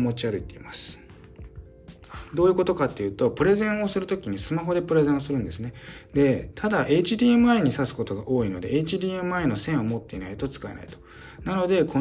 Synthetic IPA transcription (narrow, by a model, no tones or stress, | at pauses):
mo̞t͡ɕiaɾɯ̟it̪ːe̞ḭmasɨ̥ | d̪o̞ːjɯ̟ko̞t̪o̞kat̪ːe̞jɯ̟ːt̪o̞pɯ̟ɾe̞zẽ̞ɰ̃o̞sɨɾɯ̟t̪okʲiɲ̟isɨmaɦo̞d̪e̞pɯ̟ɾe̞zẽ̞ɰ̃osɨɾɯ̟̃nd̪e̞sɨne̞d̪e̞t̪ʰad̪aʔe̞t͡ɕid̪ʲiːemɯaiɲ̟isasɨ̥ko̞t̪o̞ɡaʔo̞ːino̞d̪e̞ːt͡ɕid̪ʲiːemɯ̟aino̞sẽ̞ɰ̃o̞mo̞t̪ːe̞inait̪o̞t͡sɨ̥kae̞na̰it̪o̞̥ | nano̞d̪e̞ko